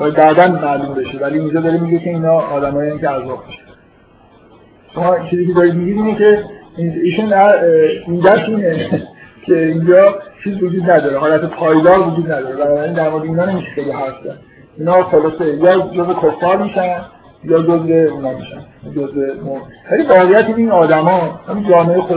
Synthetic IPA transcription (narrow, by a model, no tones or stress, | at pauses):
bɒːjæd̪̚bæd̪ænmæʔlumbe̞ʃevæliːnd͡ʒɒːd̪ɒːɾemiɡecʰe̞iːnɒːd̪æmɒːjencʰeæzɒːb̚miʃt̪æ̥n | ʃomɒːt͡ʃʰiːziːcʰe̞d̪ɒːɾid̪̚miɡid̪iːnecʰe̞iiːʃunæd̪iːd̪æt̪iːnecʰeind͡ʒɒːt͡ʃʰiːzvod͡ʒuːd̪næd̪ɒːɾeɦɒːlæt̪ʰepʰɒːjd̪ɒːɾvod͡ʒuːd̪næd̪ɒːɾebænɒːbæɾiːnd̪æɾmoed̪eiːnɒːne̞miʃe̥xeliɦæst̪æn | inɒːxolɒsejɒːd͡ʒozve̞kʰofːɒːɾmiːʃæn | jɒːd͡ʒozveunɒːmiʃæ̰njd͡ʒozvemomvælivɒːɣejæt̪ʰiniːnɒːd̪æmɒːhæmind͡ʒɒːmeejxo